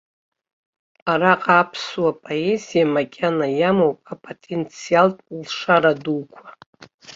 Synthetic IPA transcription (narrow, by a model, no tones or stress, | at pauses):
aɾaqʼaːpʰswapʼoezijamakʲʼanajamowpʼapʼotʼent͡sʰialtʼlʂaɾaduwkʷʰḁ